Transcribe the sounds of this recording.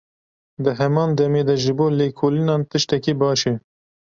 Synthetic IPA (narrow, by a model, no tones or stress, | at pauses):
d̪ɨɦɛmɑːnd̪ɛmeːd̪ɛʒɪboːleːkʰoːlinɑːnt̪ɨʃt̪ɛkiːbɑːʃe